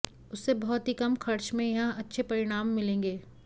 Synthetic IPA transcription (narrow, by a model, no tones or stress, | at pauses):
ʊsːebɔɦɔt̪ɦikɐmxɐɾt͡ʃmẽjɐɦãɐtːʃʰepɐɾɪɽ̃aːmːɪlẽːŋɡeː